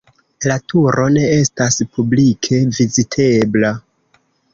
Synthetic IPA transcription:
latʰuɾʔo̞ne̞e̞staspʰublikʰe̞vizitʰe̞bla

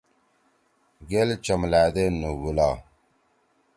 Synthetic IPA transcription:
ɡelt͡ʃamladenuwula

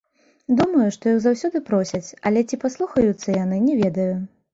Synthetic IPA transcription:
d̪umɐjuʂt̪ɔjiwzawsʲɔd̪ɨpɾɔsʲɐt͡sʲɐ̰lʲɛt͡sʲipaslˠuxɐjut̪sːɐjan̪ɨnʲɛvʲɛd̪ɐju

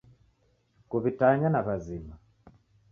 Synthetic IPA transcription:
kuβitaɲanaβazima

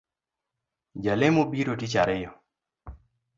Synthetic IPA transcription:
d͡ʒalemobiɾotit͡ʃaɾɛjɔ

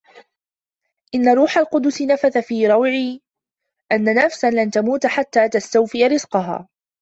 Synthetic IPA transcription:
ʔɪnːaɾˤuːħalqʊd̪ʊsɪnafaθafiːɾˤɑwʕiː | ʔanːanafsanlant̪amuːt̪aħat̪ːaːt̪ast̪awfɪjaɾɪzqɑɦa̰ː

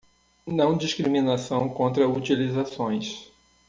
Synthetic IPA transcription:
nɐ̃w̃d͡ʒiʃkɾimĩnasɐ̃w̃kõnt̪ɾɐut͡ʃilizasõj̃s

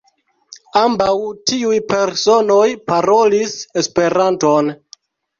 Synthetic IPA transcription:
ambawtiujpe̞ɾso̞no̞jpaɾo̞lise̞spe̞ɾanto̞n

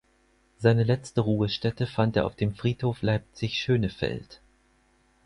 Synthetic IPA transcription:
z̥aɪnəlɛt͡stəʁuːəʃtɛtəfanteːɐʔaʊfd̥eːmfʁ̥iːthoːflaɪp̚t͡sɪçʃøːnəfɛ̰lt

